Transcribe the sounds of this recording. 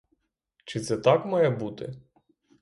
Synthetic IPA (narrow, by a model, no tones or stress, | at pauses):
t͡ʃɪt̪sɛt̪ɑkmajɛbut̪ɪ̰